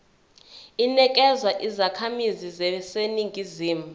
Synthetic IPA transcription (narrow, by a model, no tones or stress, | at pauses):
inɛk̬ʼɛzwaʔizakʰamizizɛseniŋɡʱiziːmu